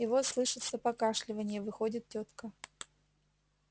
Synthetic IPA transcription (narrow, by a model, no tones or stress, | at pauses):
ɪvoslˠɨʂɨt̪səpɐkaʂlʲɪvənʲɪjəvɨxodʲɪt̪̚tʲːot̪kə